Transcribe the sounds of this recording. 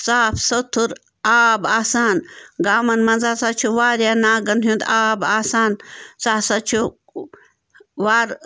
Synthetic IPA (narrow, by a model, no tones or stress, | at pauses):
saːfsɐt̪ʰuɾ | aːbaːsaːnɡaːmɐnmɐnzaːsat͡ʃʰuʋaːɾjanaːɡɐnɦũnd̪aːbaːsaːnsaːsɐt͡ʃʰu | ʋaːɾ